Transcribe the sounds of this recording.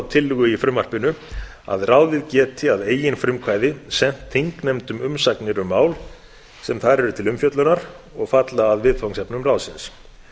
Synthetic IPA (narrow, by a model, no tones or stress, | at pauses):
wt̪ʰɪlːʏɣʏifɾʏmːar̥pɪnʏ | a̰ðraːwðɪðcɛːt̪ʰɪaðeːjɪnfɾʏmkʰvaːjðɪsɛn̥t̪ʰːiŋknejmt̪ʏmʏmsaknɪɾʏmːaːwl | sɛmθaɾɛɾʏt̪ʰɪlʏmfjœt̪lʏnaɾ̥ | ɔɣfat̪laːðvɪðfawŋsɛpnʏmrawsɪns